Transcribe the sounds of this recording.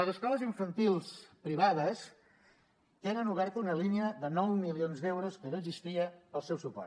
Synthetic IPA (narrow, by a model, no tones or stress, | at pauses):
ləzəskɔləziɱfənt̪ilˠspɾiβ̞aðəs | t̪enənuβ̞ɛɾt̪əunəliniəðənɔwmilionzd̪ɛwɾoskənoːɡzist̪iəəlˠsɛwsupɔ̰r